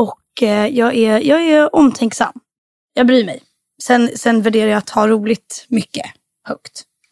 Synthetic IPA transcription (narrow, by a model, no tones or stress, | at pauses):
ɔkjɑːɡæjɑːɡæɾɔmt̪ʰɛŋksa̰mː | jɑːɡbɾyːmɛj | sɛnsɛnvæɖeːɾajaːt̪hɑːɾuːlɪɡ̚t̪mʏkːə̰ | hœkt̪